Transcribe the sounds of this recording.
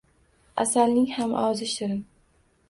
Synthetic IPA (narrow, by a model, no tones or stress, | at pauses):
a̰salnɪŋhamʔɒzɪʃt̪ɪɾɪn